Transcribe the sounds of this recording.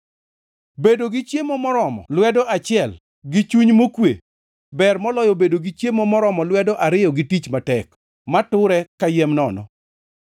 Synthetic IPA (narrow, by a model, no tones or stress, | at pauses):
bedoɡɪt͡ʃjemomɔɾɔmɔ̰lwɛdɔʔat͡ʃɪɛl | ɡɪt͡ʃuɲmokwḛ | bɛrmɔlɔjɔbedoɡɪt͡ʃjemomɔɾɔmɔlwɛdɔʔaɾɪjɔɡɪtit͡ʃmatɛk | matʊɾɛkajemnɔnɔ̰